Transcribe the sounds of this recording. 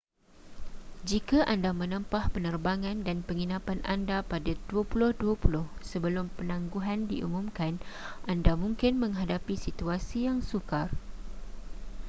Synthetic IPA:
d͡ʒikaʔandamə̃nə̃mpahpənərbaŋãndanpəŋinãpanʔa̰ndapadaduəpulʊhduapulʊhsəbəlʊmpənãŋɡuɦandiʔṵmũmkanʔandamũŋkɪnmə̃ŋɦadapisit̪uasijaŋsukar

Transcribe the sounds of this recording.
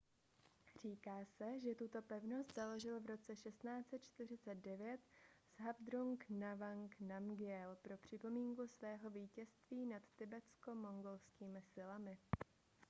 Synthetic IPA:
r̝iːkaːsɛʒɛt̪ut̪o̞pɛvno̞st̪z̥alo̞ʒɪlvɾo̞t͡sɛʃɛst̪naːt͡sɛt̪̚t͡ʃt̪ɪr̝ɪt͡sɛt̪̚dɛvjɛt̪z̥ɦabd̪ɾuŋknavaŋknamɡɪɛlpɾo̞pr̝̥ɪpo̞miːŋkusvɛːɦo̞viːcɛst̪viːnat̪ːɪbɛt͡sko̞mo̞ŋɡo̞lskiːmɪsɪlamɪ

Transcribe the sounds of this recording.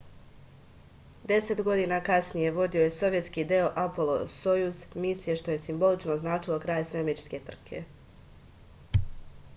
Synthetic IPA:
d̪e̞se̞t̪ɡo̞d̪iːnakasnije̞ʋo̞d̪io̞je̞so̞ʋje̞t̪skiːd̪eo̞ʔapolˠo̰sojuzmisije̞ʃt̪o̞je̞simbo̞lit͡ʃnoznaːt͡ʃilˠo̞kɾaːjsʋe̞met͡ʃske̞t̪r̩kʰe̞̰

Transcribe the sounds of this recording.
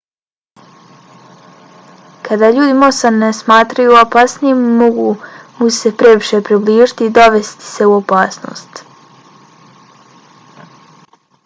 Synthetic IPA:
kʰad̪aːʎuːd̪imosanːesmaːt̪ɾajuopasnijimːoɡumuse̞pɾe̞ʋiʃe̞pɾibliːʒit̪iːd̪o̞ʋe̞st̪i̥se̞uopaːsno̰ːst̪

